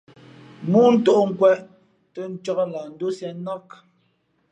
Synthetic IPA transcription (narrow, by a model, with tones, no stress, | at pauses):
mu˦n̩˦to˦˨ʔŋ̩˦kwɛ˦ʔ | tə˦n̩˦t͡ʃɔ˦kla˨n̩˦do˦sjɛ˨˦nɔ˦k